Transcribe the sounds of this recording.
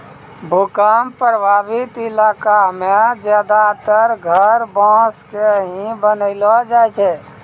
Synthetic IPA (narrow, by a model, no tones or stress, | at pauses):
bʱukaːmpɾəbʱaːbɪt̪ɪlaːkamẽd͡ʒjaːd̪at̪əɾɡʱəɾbãːskeɦĩbənəɪlɔd͡ʒaːt͡ʃʰɛ